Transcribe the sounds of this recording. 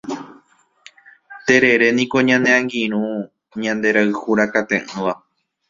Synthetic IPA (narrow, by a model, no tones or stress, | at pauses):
t̪e̞ɾe̞ɾe̞nĩko̞ɲãneãŋɡĩɾ̃ũ | ɲãnd̪e̞ɾaɨhuɾakat̪ẽʔɨ̃ʋa